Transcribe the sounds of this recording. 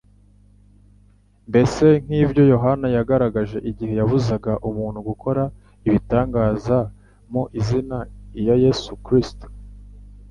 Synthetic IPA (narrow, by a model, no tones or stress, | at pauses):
mbe̞se̞ŋ̥hiːvjo̞jo̞ɦanajaɡaɾaɡaʒe̞ʔiɟihe̞javuzaɡaʔumuːn̤̥huɡukʰo̞ɾa | iβitaːŋɡaːza | moʔizinajaje̞sukɾisto̥